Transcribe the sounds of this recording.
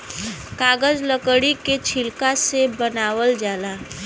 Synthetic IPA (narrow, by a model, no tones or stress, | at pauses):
kaːɡəzləkɽiket͡ʃʰilkasebənaːʋəld͡ʒaːla